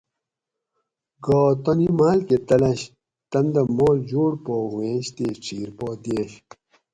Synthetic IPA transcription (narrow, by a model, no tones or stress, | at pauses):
ɡoːt̪ɐnimaːlket̪ɐlɐɕ | t̪ɐnd̪ɐmoːld͡ʑoːɽpoːhwẽːɕt̪eːʈ͡ʂʰiːɾpoːd̪eːɕ